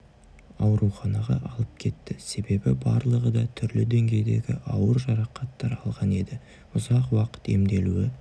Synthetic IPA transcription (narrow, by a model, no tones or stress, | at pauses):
ɑwɾuχɑnɑʁɑ̰ʔɑlˠəp̚kʲʰe̞t̪ːɪse̞be̞bɪbɑ̰ɾlˠəʁəd̪ɑt̪ʰʏɾlɪd̪e̞ŋɡʲe̞jd̪e̞̰ɡʲɪ̰ʔɑwəɾʒɑɾɑqɑt̪ːɑɾɑlˠʁɑne̞d̪ɪ | ʊzɑqwɑqə̥t̪e̞̰md̪e̞luwɪ